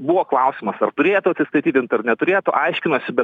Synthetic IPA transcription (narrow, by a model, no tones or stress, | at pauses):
buʋoːklˠɐʊsʲɪmɐsɐrt̪ʊɾʲeːjt̪ʊɐt̪sʲɪst̪ɐɪt̪ʲiːt̪ʲɪnt̪ɐrnʲɛt̪ʊɾʲeːt̪ʊʔɐɪʃʲkʲɪnoːsʲɪbʲɛt